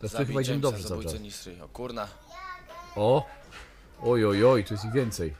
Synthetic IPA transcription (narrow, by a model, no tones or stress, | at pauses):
t̪ɛst̪xɘbajid͡ʑɛmɘd̪ɔbʐɛzat͡ʃs | ɔ | ɔjɔjɔjt̪ɔjɛst̪iɣvʲjɛnt̪sɛj